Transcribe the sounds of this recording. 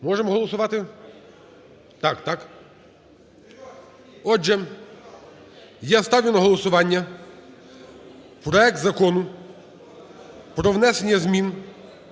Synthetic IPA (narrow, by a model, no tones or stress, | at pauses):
mɔʒɛmɔɦɔlˠɔsʊʋɑt̪ɪ | t̪ɑkt̪ɑk | ɔd͡ʒɛ | jast̪ɑwʲjʊnɐɦɔlˠɔsʊʋɑnʲːɐ | pɾɔɛk̚t̪zɐkɔnʊ | pɾɔʋnɛsenʲːɐzmʲin